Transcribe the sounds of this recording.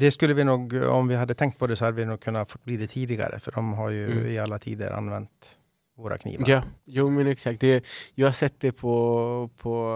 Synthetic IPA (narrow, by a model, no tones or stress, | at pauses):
d̪ɛskɵlːəvɪnuːɡɔ̰mvɪɦad̪ːət̪ʰɛŋkt̪̚pʰɔd̪ɛsɔhad̪ːəʋɪnuːɡ̚kʰɵnːafɔt̪ːbliːd̪ɛt̪ʰiːd̪ɪɡa̰ɾə̰fœɖɔmɦaɾjɵɪalːat̪ʰḭːd̪ə̰ɾʔa̰nʋɛnt̪ | voːɾa̰kʰnḭːʋɑjuːmənɛksakt̪̚d̪ɛjɑːɡhasɛt̪ːd̪ɛpʰɔpʰɔ